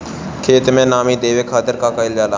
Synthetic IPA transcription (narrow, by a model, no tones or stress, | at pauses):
kʰeːt̪mẽnaːmiːd̪eːʋeːkʰaːd̪əɾkaːkaɪljaːlaː